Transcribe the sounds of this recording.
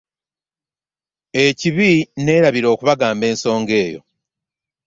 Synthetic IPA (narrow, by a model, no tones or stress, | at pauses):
e̞ciβine̞ːɾaβiɾo̞ːkuβaɡaːmbe̞ːnso̞ːŋɡe̞ːjo̞̰